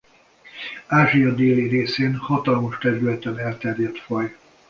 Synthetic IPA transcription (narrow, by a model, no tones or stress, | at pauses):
aːʒijɒd̪eːliɾeːseːnhɒt̪ɒlmoʃt̪ɛɾylɛt̪ɛnɛlt̪ɛrjɛt̪fɒj